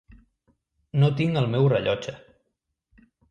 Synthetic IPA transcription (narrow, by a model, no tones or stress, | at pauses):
not̪iŋəlˠmɛwrəʎɔd͡ʒə